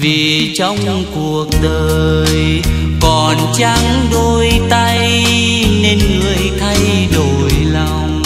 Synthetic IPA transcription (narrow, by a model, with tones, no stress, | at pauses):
vi˨˩t͡ɕɔ˧wŋ͡m | ku˨˩ək̚ɗəː˨j | kɔ˨˩nt͡ɕa˧ŋɗo˧jt̪a˧j | ne˧nŋɨ˨˧˩əjt̪ʰa˧j | ɗo˨˩jla˨˩wŋ͡m